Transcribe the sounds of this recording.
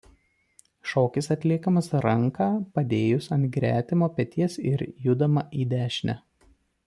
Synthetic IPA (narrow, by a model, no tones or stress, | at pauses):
ʃoːkʲɪsɐt̪ʲlʲiɛkɐmɐsɾɐŋˑkɑːpɐd̪ʲeːjʊsɐnt̪ɡɾʲæːt̪ʲɪmoːpʲɛt̪ʲiɛsɪ̰ɾjʊd̪ɐmɐʔiːd̪ʲæːʃʲnʲæ